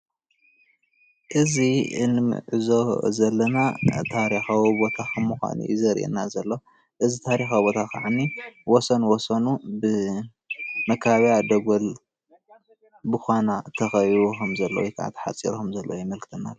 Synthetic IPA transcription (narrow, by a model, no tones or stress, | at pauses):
ʔɨziɨnɨmɨ̰ʕɨzozɐlːɐnat̪ʰaɾixawibo̞t̪ʰakʰɐmːɨxʷa̰nṵjzɐɾʔḛnazɐlːo | ʔɨzit̪ʰaɾixawbo̞t̪ʰakʰa̰ʕanːiwɔsɐnwɔsɐnubɨ | mɐkʰβjad̪ɐɡol | bɨxʷanat̪ʰɐxɐjɾukʰɐmzɐlːo̰wjkʰa̰a̰t̪ʰħa̰t͡sʼḭɾokɐmzɐlːowjɪmɐlkʰɨ̥t̪ʰɨnːalː